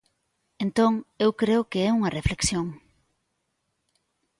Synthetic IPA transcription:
ent̪oŋewkɾeokeɛuŋɐrefleksjoŋ

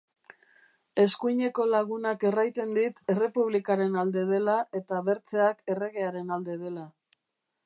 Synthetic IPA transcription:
e̞skujɲe̞ko̞laɣ̞unake̞rajt̪e̞nd̪it̪e̞re̞puβlikaɾe̞nald̪e̞ð̞e̞laʔe̞t̪aβe̞ɾt͡se̞ake̞re̞ɣe̞aɾe̞nald̪e̞ð̞e̞la

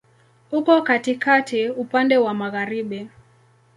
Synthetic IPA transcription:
hukɔkatikatʰiupandɛwamaɣaɾiɓi

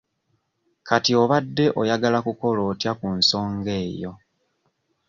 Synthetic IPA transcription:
katio̞βadːe̞ʔo̞jaɡalakuko̞lo̞ːtjakunso̞ːŋɡe̞ːjo̞̰

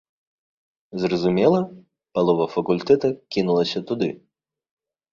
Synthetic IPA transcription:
zrɐzumʲɛlˠɐ | pɐlˠɔvɐfɐkulʲt̪ɛt̪ɐkʲinulˠɐsʲɐt̪ud̪ɨ

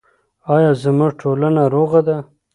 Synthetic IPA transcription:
ɑjɑzəmuʐʈʰolanaɾoɣad̪a

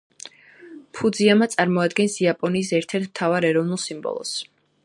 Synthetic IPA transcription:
pʰud̪ziamat̪sʼaɾmɔad̪ɡɛnsiapʼɔniːsɛɾt̪ʰɛɾt̪ʰmt̪ʰavaɾɛɾɔvnulˠsimbɔ̰lˠɔ̰s

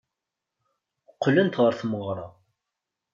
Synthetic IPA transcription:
qːlənt̪ʁəɾθməʁɾˤɑ

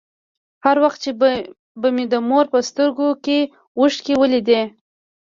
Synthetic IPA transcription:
haɾwaxt̪̚t͡ʃe | bəmid̪əmoɾpəst̪əɾɡoke | wəʂʈkewəlid̪e

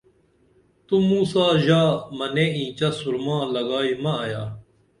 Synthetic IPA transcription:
t̪umuːsaːʑaːmɐnẽːĩːt͡ɕɐsuɾmãːlɐɡaːimɐ̃jaː

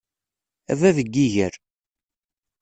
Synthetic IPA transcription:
æ̰væðəɡːiʝəɾ

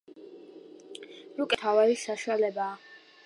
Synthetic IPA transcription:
ɾukʼɛt̪ʰavaɾisaʃuwalɛbaː

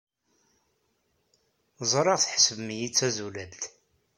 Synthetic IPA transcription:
zˤɾˤɑʁθħə̥səvmijit͡sːæzulælt̪

